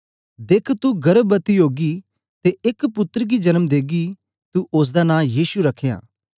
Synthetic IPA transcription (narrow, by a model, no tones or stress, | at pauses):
d̪eːkʰt̪uɡɐɾbbət̪iɦoːɡi | t̪eʔɪkpʊt̪ːɾɡid͡ʒɐnəmd̪eːɡi | t̪uʔʊs̬d̪anãːjiːsuɾɐkʰja̰ː